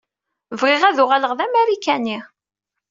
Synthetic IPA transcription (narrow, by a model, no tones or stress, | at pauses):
vʁɪʁæðʊʁaləʁðæmæɾikæni